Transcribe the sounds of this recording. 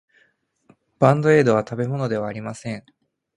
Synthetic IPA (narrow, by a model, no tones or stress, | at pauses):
b̥ãnd̪o̞e̞ːd̪o̞β̞at̪abe̞mo̞no̞d̪e̞βaːɾʲimasẽ̞ɴ